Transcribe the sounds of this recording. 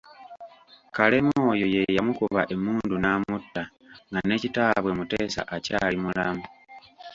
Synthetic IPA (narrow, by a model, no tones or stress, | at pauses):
kale̞mo̞ːjo̞je̞jamukuβaʔe̞muːndunaːmutːa | ŋɡane̞ːcitaːβwe̞mute̞ːsa̰ʔacaːlimulamu